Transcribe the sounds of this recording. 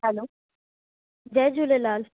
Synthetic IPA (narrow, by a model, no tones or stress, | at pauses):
ɦɛloː | d͡ʑɛːd͡ʑulelaːl